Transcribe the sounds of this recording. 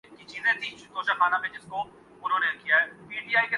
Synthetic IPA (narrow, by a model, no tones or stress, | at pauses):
kit͡ʃiːnẽt̪iːd̪oːʃakʰaːnabʰẽd͡ʒɪsko | ʊnɦõːnekijaɦɛːpiːʈiaːike